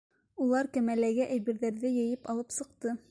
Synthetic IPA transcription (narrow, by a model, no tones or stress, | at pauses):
ulˠɑɾkæmælæɡɘʔæjβɘ̆ɾðæɾðɘjɘ̆jɘpɑlˠɤpsɤ̆q̚t̪ɤ